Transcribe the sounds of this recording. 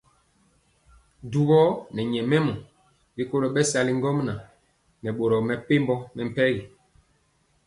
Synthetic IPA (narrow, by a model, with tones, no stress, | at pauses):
du˨ɣɔ˦nɛ˨ɲɛ˨mɛ˦mɔ˨ | bi˦ko˦lo˨ɓɛ˦sa˨li˦ŋɡɔ˦mna˨ | nɛ˨ɓo˨ɾɔ˨mɛ˨pe˦mbɔ˦nɛ˨m̩˨pɛ˦ɣi˨